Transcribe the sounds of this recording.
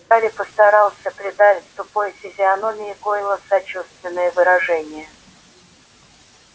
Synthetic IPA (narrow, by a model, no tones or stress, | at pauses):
t̪aɾʲɪpəst̪ɐɾɑlˠsʲəpɾʲɪd̪avʲɪt̪ʲst̪ʊpo̞jfʲɪzʲɪɐnomʲɪɪkojɪlˠəsɐt͡ɕust̪vʲɪnːəjəvɨɾɐʐɛnʲɪjə